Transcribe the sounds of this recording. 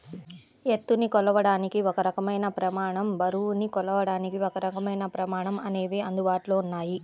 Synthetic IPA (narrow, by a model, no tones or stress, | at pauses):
e̞t̪ːunikɔlɐʋɐɽaːnikiɔkɐɾɐkɐmɐjnɐpɾɐmaːɳɐmbɐɾunikɔlɐʋɐɽaːnikiɔkɐɾɐkɐmɐjnɐpɾɐmaːɳɐmɐne̞ːʋeːɐnd̪ubaːʈlo̞ːunːaːji